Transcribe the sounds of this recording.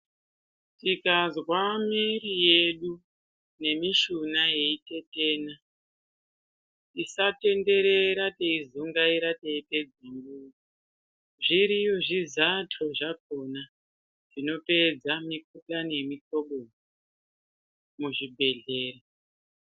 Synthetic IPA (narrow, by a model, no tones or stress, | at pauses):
tikazwamirijeɗu | ne̞miʃunaje̞ite̞te̞ːna | isate̞nde̞ɾe̞ɾateizuŋɡaiɾateipe̞d͡zeŋɡuːi | ʐiɾijo̞ʐizatʰoʐak̚o̞na | ʐ̥ino̞pe̞d͡zamik̚utane̞mito̞ɓo | muʐibʱe̞ɮe̞ːra